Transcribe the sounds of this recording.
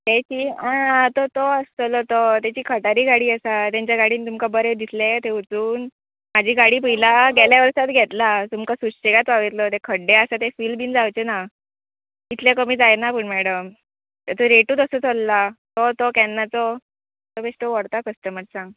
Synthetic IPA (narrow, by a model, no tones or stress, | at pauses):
t̪ɛt͡ɕiːãt̪ɔt̪oəst͡səlɔt̪ot̪jat͡ɕiːkʰəʈaɾiːɡaɽiːəsat̪jaɲt͡ɕjaɡaɽiːnit̪umkabəɾed̪islet̪eut͡suːn | mad͡ʑʱiːɡaɽiːp̬əɦilaɡʱɛljaʋəɾsat̪ɡʱet̪lat̪umkasuʂt͡ɕeɡat̪ʋaʋit̪lɔt̪ekʰəɽːeəsat̪efiːlbiːnd͡zawt͡ɕena | it̪lekəmiːd͡zajenapəɳmɛɽəm | t̪əɾt̪oɾeʈuːd̪əsət͡sʰəlːat̪ot̪okɛnːat͡sɔ | t̪obesʈəʋəɽt̪akəsʈ̪əmət̪sãŋɡ